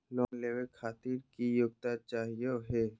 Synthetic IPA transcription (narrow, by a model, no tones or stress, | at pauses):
lɔːnleːwekʰaːt̪iːɾkijʊɡ̚t̪at͡ʃaːɦijoɦɛː